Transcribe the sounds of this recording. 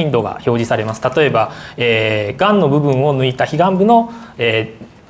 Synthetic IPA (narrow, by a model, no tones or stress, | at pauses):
ĩnd̪o̞ɡa̰ço̞ːʑisaɾe̞masɨ̥t̪at̪o̞e̞baeɡãnːo̞bɯ̟bɯ̟̃ɰ̃o̞nɯ̟it̪açiɡãmbɯ̟no̞eː